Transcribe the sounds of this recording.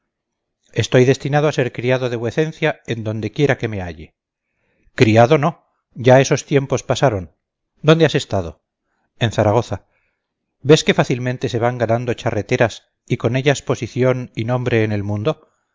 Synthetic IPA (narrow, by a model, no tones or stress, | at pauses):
e̞st̪o̞jðe̞st̪inað̞oase̞ɾkɾiaðo̞ðe̞βwe̞θe̞n̟θjae̞nd̪ond̪e̞kje̞ɾake̞me̞a̰ʎe | kɾiaðo̞no̞ | ɟ͡ʝae̞so̞st̪je̞mpo̞spasaɾo̞n | d̪o̞nd̪ease̞st̪að̞o̞ | e̞nθaɾaɣ̞o̞θa | be̞ske̞faθilmẽnt̪e̞se̞βaŋɡanãnd̪o̞t͡ʃare̞t̪e̞ɾas | iko̞ne̞ʎaspo̞siθjo̞ninõ̞mbɾe̞ːne̞lmũnd̪o̞